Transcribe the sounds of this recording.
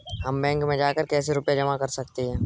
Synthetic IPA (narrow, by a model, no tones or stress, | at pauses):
ɦɐmbɛ̃ːŋkmẽd͡ʒaːkəɾkɛːseɾʊpjad͡ʒɐmakɐɾsɐkt̪iɦɛ̃ː